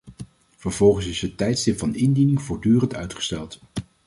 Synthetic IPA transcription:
v̥əɹvɔlˠχənsɪsɦətɛjtstɪpfɑnɪndinɪŋvʊːɹdyːrəntœɥtχə̥stɛlˠt

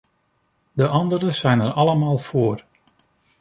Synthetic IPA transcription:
dəʔɑndəɾəzɛjnɛɾɑləmaːlˠfoːr

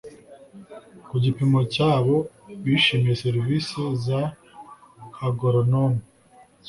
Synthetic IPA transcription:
kuɟipimo̞caːβo̞ | βiʃiːmijeseɾiviseza | kaɡoɾonomu

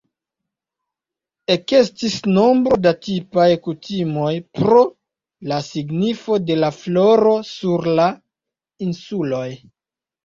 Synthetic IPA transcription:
e̞ke̞stisno̞mbɾo̞datipajkutimo̞jpɾo̞ | lasiɡnifo̞de̞laflo̞ɾo̞suɾla | insulo̞j

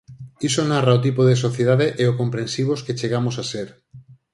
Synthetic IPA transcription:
isonaraot̪ipoðes̬oθjeðaðeʔeokompɾensiβ̞osket͡ʃeɣamosaseɾ

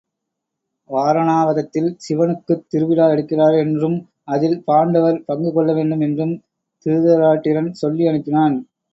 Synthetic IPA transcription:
ʋaːɾɐnaːʋɐðɐt̪ːɪlsɪʋɐnɯkːɯt̪ːɪɾɯʋɪɽaːlɐɽɯkːɪraːɾɛndrɯm | ɐðɪlpaːɳɖɐʋɐɾpɐŋɡɯkɔɭːɐʋeːɳɖɯmɛndrɯm | t̪ɪɾɯðɐɾaːʈːɪɾɐnsɔlːiɐɳɯkːɪnaːn

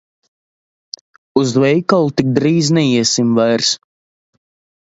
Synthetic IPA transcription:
uzd̪vɛjkalˠt̪ik̚d̪ɾiːznɛjiɛsimvajɾs

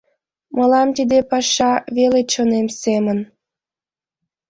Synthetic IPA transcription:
məlɑmt̪id̪epɑʃɑβelet͡ɕonemsemən

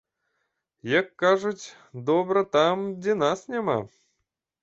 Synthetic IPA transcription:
jɑkːɑʐutʲ | d̪obɾɤ̆t̪ɑmdʲenɑsnʲemɑ̰

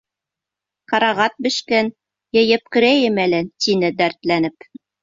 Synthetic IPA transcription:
qɑɾɑʁɑt̪̚bɘ̆ʃkæn | jæ̆jɘp̚kɘ̆ɾæjɘmælænt̪inɘd̪æɾt̪lænɘp

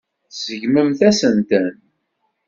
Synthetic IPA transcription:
zəʝməmθæsənt̪æn

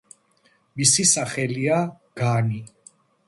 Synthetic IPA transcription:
misisaχɛliaɡ̥ani

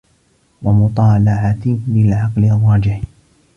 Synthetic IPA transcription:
wamʊt̪ˤɑːlaʕabɪlʕɑqlɪrˤːɑːd͡ʒɪħ

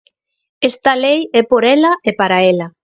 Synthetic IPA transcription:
est̪alejɛpoɾelaepaɾaela

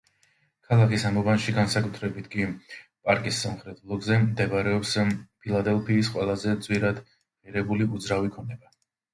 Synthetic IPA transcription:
kʰalˠakʰisamɔvanʃiɡansakʼut̪ʰɾɛbit̪ʰkʼipʼaɾkʼisːɔmχɾɛt̪̚ʰblˠɔɡzɛmd̪ɛbɾɛɔpsmpʰilˠad̪ɛlˠpʰiːsqʼwɛlˠazɛd̪zwiɾad̪ | ʁiɾɛbuliud̪zɾavikʰɔnɛba

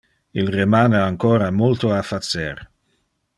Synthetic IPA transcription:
ilremaːneaŋkoːɾamolt̪oafat͡sḛɾ

